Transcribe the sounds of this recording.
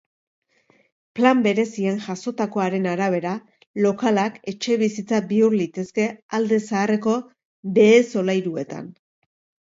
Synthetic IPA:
plambe̞ɾe̞sienʝaso̞t̪ako̞aɾe̞naɾaβ̞e̞ɾa | lo̞kalake̞t͡ʃe̞β̞isit͡sabiuɾlit̪e̞ske̞ald̪e̞saːre̞ko̞ | be̞ːso̞lajɾue̞t̪a̰n

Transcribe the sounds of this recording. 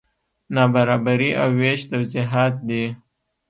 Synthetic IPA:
nɑbaɾɑbaɾiʔa̰weʃt̪awzɪɦat̪̚d̪e

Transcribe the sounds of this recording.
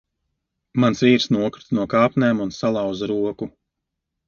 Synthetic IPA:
mansviːɾsnuɔkɾu̥t̪nuɔkaːpnʲɛːmunsalˠɑwzaɾuɔku

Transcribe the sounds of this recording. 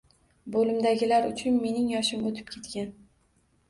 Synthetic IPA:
bolɪmd̪aɡʲɪlaɾʊt͡ʃʰʊnme̞nɪŋjɒʃɪmot̪ʰɪ̥p̚kʲʰe̞t̪kʲan

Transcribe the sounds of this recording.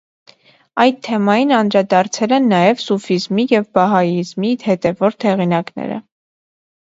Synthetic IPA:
ɑjt̪ʰːɛmɑjinɑnd̪ɾɑd̪ɑɾt͡sʰɛlɛnːɑjɛvsufizmijɛvbɑɦɑjizmihɛt̪ɛvɔɾt̪hɛʁinɑknɛ̰ɾə̰

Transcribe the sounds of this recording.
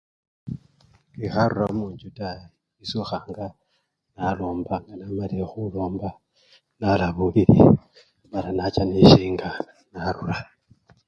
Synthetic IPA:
kixaɾuɾamuɲd͡ʒuta | isuxaŋɡa | nalombaŋɡanamalexulomba | nalaβuβilḭ | βaɾanat͡ʃaniʃiŋɡa | naɾuɾa

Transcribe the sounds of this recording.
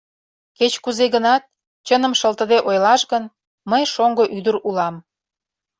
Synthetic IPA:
ket͡ɕkuzeɣənɑt̪̚ | t͡ɕənə̆mʃəlt̪əd̪eʔojlɑʃɣən | məjʃoŋɡoʔyd̪əɾulɑm

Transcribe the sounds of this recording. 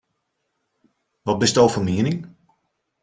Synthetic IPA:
ʋɔt̚bɪstoːwfəmiənɪŋ

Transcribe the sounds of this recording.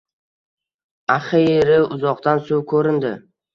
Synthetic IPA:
aχɪɾɪʊzɒqt̪ansʊwkʰɵɾɪnd̪ɪ

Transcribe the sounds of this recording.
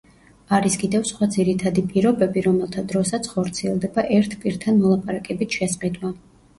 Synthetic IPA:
aɾiskʼid̪ɛvsχwad̪ziɾit̪ʰad̪ipʼiɾɔbɛbiɾɔmɛlˠt̪ʰad̪ɾɔsat̪sʰχɔɾt̪sʰiɛlˠd̪ɛbaʔɛɾt̪ʰpʼiɾt̪ʰanmɔlˠapʼaɾakʼɛbisʰʃɛsqʼid̪wa

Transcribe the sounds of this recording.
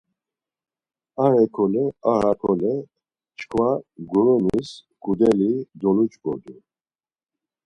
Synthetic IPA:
aɾɛkʰɔlɛaɾakʰɔlɛ | t͡ʃkʰvaɡuɾɔnis | kʼud̪ɛlid̪ɔlut͡ʃʼɡɔ̰d̪u

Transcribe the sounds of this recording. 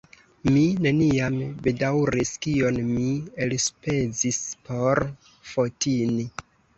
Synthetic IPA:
mine̞niambe̞dawɾiskio̞nmielspe̞d͡zispʰo̞ɾ | fo̞tini

